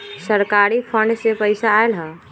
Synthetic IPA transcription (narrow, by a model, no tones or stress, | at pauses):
səɾkaɾipʰəɳɖsepəɪsaːelɦə